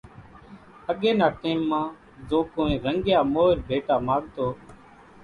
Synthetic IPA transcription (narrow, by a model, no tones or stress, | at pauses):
əɠeːnaːʈeːmːãː | zõːkõːẽːɾəŋɡɪjaːmoːɾbʱeːʈaːmãːɠ̚t̪oː